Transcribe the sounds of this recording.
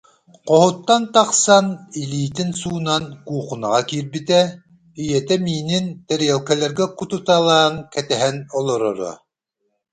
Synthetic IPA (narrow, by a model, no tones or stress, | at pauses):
qohut̪ːɑnt̪ɑqsɑnilʲiːt̪insuːnɑnkuːqunɑ̰ʁɑkiɾbit̪ɛ | ijɛt̪ɛmiːnint̪ɛɾjɛlkɛlɛɾɡɛkut̪ut̪ɑlˠɑːŋkɛt̪ɛɦɛnɔlˠɔɾɔɾɔ̰